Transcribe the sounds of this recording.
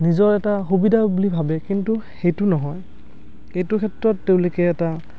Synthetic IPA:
nizɔɹɛtaxubidʱabulibʱabɛkintuxejtʊnɔɦɔj | ejtʊkʰɛtɹɔtːeʊ̃lokɛːta

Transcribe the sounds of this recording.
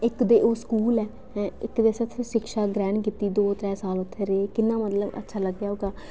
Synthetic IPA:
ɪkd̪eːʔoːskuːlɛː | ɛ̃ːɪkd̪eːsət̪ʰʃɪkʃaːɡɾɛ̃ːɳkiːt̪iːd̪oːt̪ɾɛːsaːlʊt̪ʰːeːɾeeːkɪnːãːmət̪ləbə̰tːʃʰaːləɡjaːɦoːɡaː

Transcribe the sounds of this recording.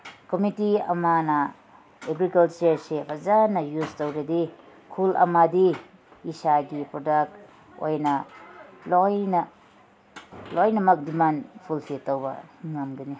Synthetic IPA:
komitiɐ̰manɐ | eɡɾikalt͡ʃɐɾsebʰɐzanɐjuztowɾedi | kʰulɐ̰madiː | saɡipɾodak̚t̚ | o̰jnɐlojnɐ | lojnɐmɐk̚dimanpʰulpʰiltowbɐ̰ŋamɡɐni

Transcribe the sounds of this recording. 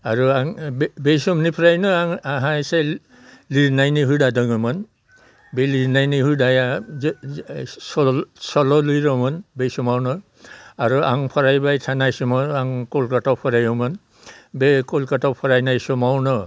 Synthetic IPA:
aɾuaŋbbejsɔmnipʰɾajnɔaŋaɦase | liɾnajniɦujdadɔŋɔmɔn | beliɾnajniɦujdaja | sɔsɔlɔlujɾɔmɔnbejsɔmawnɔ | aɾuaŋpʰɔɾajbajtʰanajsɔmɔaŋkɔlkatawpʰɔɾajɔmɔn | bekɔlkatawpʰɔɾajnajsɔmawnɔ

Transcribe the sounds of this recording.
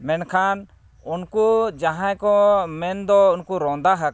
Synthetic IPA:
mɛnkʰan | unkud͡ʒaɦãjkɔmɛnd̪ɔunkuɾɔ̃nd̪aɦak

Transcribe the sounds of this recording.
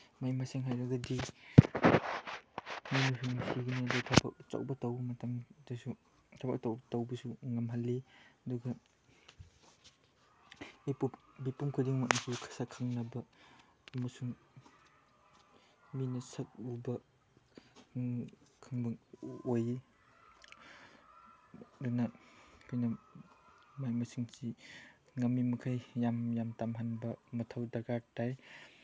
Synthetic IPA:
majmaseŋɦajɾak̚dadi | mijnisʰuŋnsiɡiniɐdutʰaba̰k̚t͡ʃa̰wbɐtawmɐtaŋdɐsu | tʰaba̰k̚tawbtawbɐsuŋɐmɦalːeɐduɡɐ | ipubipuŋkʰudiŋmak̚nasʰikʰasakʰːaŋnɐbɐː | mɐsuŋ | minɐsɐk̚ubɐ | kʰaŋbɐoji | dunɐkʰojnɐ | majmɐsiŋsi | ŋɐmːimɐkʰajjamjamtamɦanbɐmɐtʰawdaɾɡaɾtaj

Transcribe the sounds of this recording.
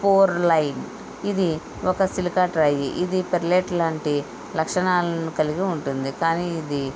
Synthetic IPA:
poːɾlɐjn | id̪i | ɔkɐsilikaːʈɾɐjiʔid̪ipeɾleːʈlaːɳʈi | lɐkʂɐɳaːlɐnukɐliɡiuɳʈund̪ikaːniːd̪i

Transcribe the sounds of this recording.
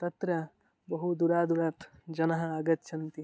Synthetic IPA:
t̪ɐt̪ɾɐ | bɐɦud̪uɾaːd̪uɾaːt̪d͡ʒɐnɐɦɐɐɡɐt̪ːʃʰɐnt̪i

